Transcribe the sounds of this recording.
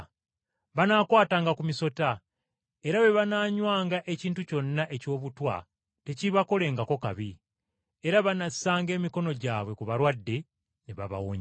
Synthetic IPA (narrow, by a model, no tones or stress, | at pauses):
βanaːkwaːtaːŋɡakumiso̞ta | e̞ɾaβe̞βanaːɲwaːŋɡaʔe̞ciːntuco̞nːaʔe̞co̞ːβutwa̰ | te̞ciβako̞le̞ːŋɡako̞ka̰βi | e̞ɾaβanasaːŋɡe̞ːmiko̞no̞ɟaːβwe̞kuβaɾwadːe̞ | neβa̰βa̰woɲ